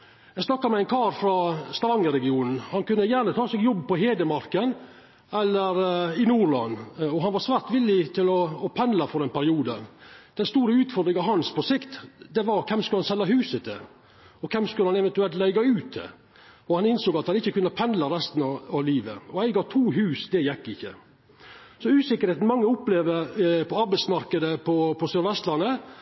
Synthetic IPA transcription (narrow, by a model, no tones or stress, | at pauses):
jæɪsnɑkːɑmɛæɪnkʰɑːɾfɾɑst̪ɑʋɑŋːəɾɛɡɪuːnn̩hɑnkʉnːəjæːɾnət̪ʰɑːsɛːɡjɔbːpɔɦeːd̪əmɑɾkən | ɛlːəɾɪnuːlɑ̰nːɔɦɑnʋɑɾsʋæːɾt̪ʋɪlːɪt̪ʰɪlɔːpʰɛnlɑfɔɾɛnpʰæɾɪuːd̪əd̪̥ɛnst̪uːɾəʉːt̪fɔɾd̪ɾɪŋɑʋɦɑnspʰɔsɪkt̪d̪ɛʋɑɾkʰɛmskʉlhɑnsɛlːɑɦʉːsət̪ʰɛ̰ | ɔkʰɛmskʉləhɑnɛʋɛnt̪ʉɛlt̪læɪɡɑʉːt̪d̪ɛ̰ | ɔhɑnɪnsoːɡɑt̪hɑnɪçːəkʉnɑpʰɛnd̪lɑɾɛst̪nɑɑʋliːʋə̰ɔæɪɡɑːt̪ʰuːɦʉːsd̪ɛjɛkːɪçːə̰ | sɔʉːsɪkəɾheːt̪n̩mɑŋːəʊpleːʋ̪əpʰɔɑɾbæɪsmɑɾkəd̪əpʰɔpʰɔsœɾʋɛst̪lɑnːə